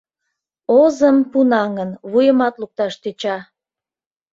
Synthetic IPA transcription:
ozəmpunɑŋənβujəmɑt̪luk̚t̪ɑʃt̪et͡ɕɑ

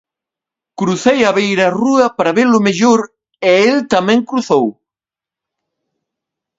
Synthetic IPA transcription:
kɾuθejɐβejɾɐruɐpaɾɐβelʊmeʎoɾ | eelt̪ɐmɛ̃ŋkɾuθow

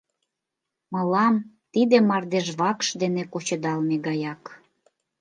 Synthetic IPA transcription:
məlɑm | t̪id̪ĕmɑrd̪eʒβɑkʃd̪enekot͡ɕə̆d̪ɑlmeɡɑjɑk

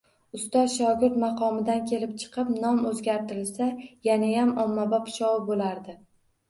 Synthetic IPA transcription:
ʊst̪ɒzʃɒɡʲɪɾt̪mɑqʰɒmɪd̪ankʲʰe̞lɪp̚t͡ʃʰɨ̥qʰɨpnɒmɵzɡʲaɾt̪ɪɾɪlsajanajamɒmːabapʰɪ̥ʃɒwɪbolaɾd̪ɪ

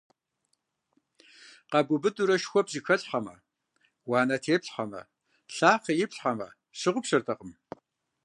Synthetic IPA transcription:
qɐbʷʊbɨdʼuɾɐʃxʷɔpzixɐɬħɐmɐ̰ | waːnɐtʰeːpɬħamɐ̰ | ɬaːχɐjɪpɬħɐmɐ̰ | ɕɨʁʷʊpɕɐrtʰɐqəm

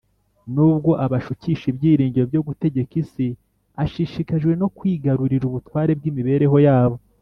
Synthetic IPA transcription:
nuːb̚ɡo̞ʔaβaʃuciʃibjiːɾiːɲɟiɾo̞bjo̞ɡute̞ɟe̞kisi | aʃiʃikaʒɡwe̞no̞kwiːɡaɾuɾiɾuβutwaːɾe̞b̚ɡiːmiβe̞ːɾeɦo̞jaːβo̞

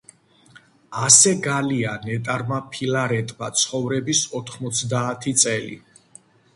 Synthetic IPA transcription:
asɛɡalianɛt̪ʼaɾmapʰilaɾɛt̪ʼmat̪sʰχɔvɾɛbisɔt̪ʰχmɔt̪sʰd̪aːt̪ʰit̪sʼɛlḭ

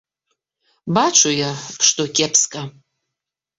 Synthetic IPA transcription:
bat͡ʃʷʰʼʊjaʂtʼokʲʼepʰskʼa

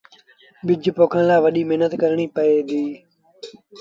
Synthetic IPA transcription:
ɓɪd͡ʒpoːkʰəɳ̃laːʋəɗiːmeɦnət̪kəɾɳiːpəeːd̪iː

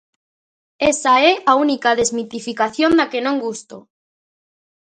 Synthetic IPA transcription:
esaɛaunikaðezmit̪ifikaθjond̪akenõŋɡust̪o

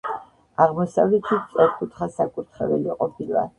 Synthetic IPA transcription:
aʁmɔsavlɛt̪ʰit̪sʼɛɾkʰʼut̪ʰχasakʼuɾt̪ʰχɛvɛliqʼɔpʰilˠa̰

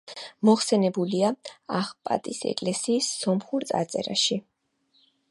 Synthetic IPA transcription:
mɔχsɛnɛbuliaaχpʼa̰t̪ʼisɛ̰kʼlɛsiːsːɔmχuɾt̪sʼa̰t̪sʼɛ̰ɾa̰ʃi

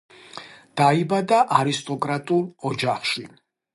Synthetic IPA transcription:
d̪̥aibad̪aʔaɾist̪ʼɔkʼɾat̪ʼulˠɔd͡ʒaχʃi

